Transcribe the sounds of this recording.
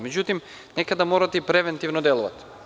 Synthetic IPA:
mɛɟut̪im | nɛkad̪amoɾat̪ipɾɛvɛnt̪ivnɔd̪ɛlˠuva̰t̪

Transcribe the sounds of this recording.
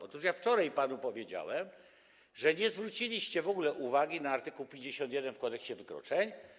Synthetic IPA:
ɔt̪uʂjaft͡ʂɔɾajpanupɔvʲjed͡ʑa̰wɛm | ʐɛɲɛzvɾut͡ɕilʲiɕt͡ɕɛvɔɡulɛʔuvaɡʲinaːɾt̪ɘkuwpʲjeɲd͡ʑeɕɔ̃nt̪jɛd̪ɛnfkɔ̃nt̪ɛkɕt͡ɕɛvɘkɾɔ̰t͡ʂɛɲ

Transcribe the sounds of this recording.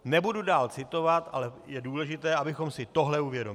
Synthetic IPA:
nɛbududaːlt͡sɪt̪o̞vat̪ʔa̰lɛjɛduːlɛʒɪt̪ɛːabɪxo̞msɪt̪o̞ɦlɛuvjɛdom

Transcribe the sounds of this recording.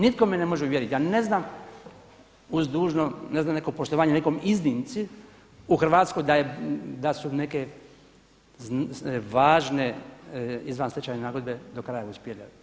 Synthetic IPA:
nit̪̚komenemoʒɛuʋjeɾit̪jaːne̞znam | uzd̪uːʒnoneznaːmnekopoʃt̪oʋaːɲenekomiznint̪si | uxr̩ʋaːt̪sko̞jd̪ajed̪asuneke | ʋaːʒne | izʋanset͡ɕaːɲenaːɡo̞d̪bed̪okɾajauspjeʎa̰

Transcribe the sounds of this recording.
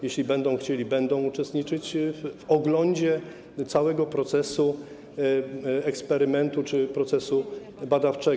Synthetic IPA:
jeɕlʲibɛnd̪ɔ̃w̃xt͡ɕelʲibɛnd̪ɔ̃w̃ut͡ʂɛst̪ɲit͡ʂɘt͡ɕvvɔɡlɔɲd͡ʑɛ | t̪sawɛɡɔpɾɔt̪sɛsu | ɛkspɛɾɘmɛnt̪ut͡ʂɘpɾɔt̪sɛsu | bad̪aft͡ʂɛ

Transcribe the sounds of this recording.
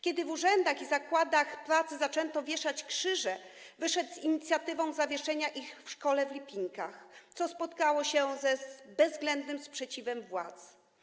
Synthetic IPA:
kʲɛd̪ɘvuʐɛnd̪axizakwad̪axpɾat̪sɘzat͡ʂɛnt̪ɔvʲjɛʂat͡ɕkʂɘʐɛ | vɘʂɛd̪ziɲit̪sʲjat̪ɘvɔ̃w̃zavʲjɛʂɛɲaʔixfʂkɔlɛvlʲipʲiŋkaxt̪sɔspɔt̪kawɔɕɛzɛbɛzːɡlɛnd̪nɘmspʂɛt͡ɕivɛmvwa̰t̪s

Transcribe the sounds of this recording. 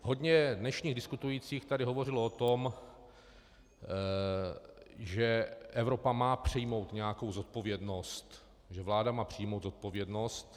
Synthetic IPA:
ɦo̞dɲɛdnɛʃɲiːɣdɪskut̪ujit͡siːxt̪adɪɦo̞vo̞rɪloot̪om | ʒɛʔɛvɾo̞pamaːpr̝̥ɪjmo̞wt̪ɲɛjako̞wzot̪̚po̞vjɛdno̞st̪ | ʒɛvlaːdamaːpr̝̥ɪjmowt̪zo̞t̪̚po̞vjɛdno̞st̪

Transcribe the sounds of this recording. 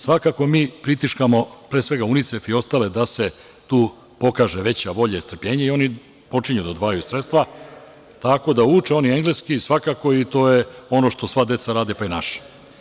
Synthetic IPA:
sʋakakomiːpɾit̪iʃkamo̞pɾeːsʋe̞ɡaunit̪se̞fio̞st̪aːle̞d̪ase̞ | t̪uː | po̞kaːʒeʋe̞t͡ɕaʋo̞ʎaist̪ɾ̩pʎe̞ːɲeio̞ni | po̞t͡ʂiɲud̪ad̪ʋaːjuisɾet̪st̪ʋa | t̪ako̞d̪auːt͡ʃeo̞nieŋɡleskisʋakako̞it̪o̞ːjeo̞no̞ʃt̪o̞sʋad̪e̞t̪saɾaːd̪ipainaʃi̥

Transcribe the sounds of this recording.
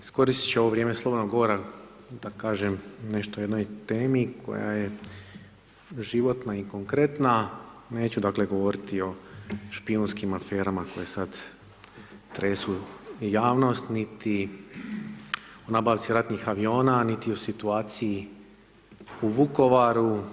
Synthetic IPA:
isko̞ɾist̪i̥t͡ɕeoʋoʋɾʲjemeslˠobo̞d̪noɡoʋoɾa | d̪akaːʒemne̞ʃt̪ojed̪no̞jt̪eːmikʰo̞̰ja̰je | ʒiʋo̞t̪naiko̞ŋkɾe̞t̪nane̞ːt͡ɕud̪akleɡo̞ʋo̞ɾit̪io̞ʃpionskimafe̞ːɾamako̞jesad̪ | t̪ɾe̞ːsujaːʋno̞st̪nit̪i | o̞naːbaʋt̪siɾat̪nixaʋio̞ːnanit̪io̞sit̪uaːt̪siji | uʋuko̞ʋaɾu

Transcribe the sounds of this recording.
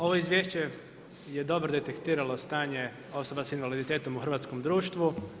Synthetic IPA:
oʋo̞izʋjeʃt͡ɕe̞ | je̞d̪o̞bɾod̪e̞t̪ekt̪iːɾalo̞st̪aːɲe̞ | o̞so̞basinʋalid̪it̪eːt̪o̞muxɾʋat̪sko̞md̪ɾuːʃt̪ʋu

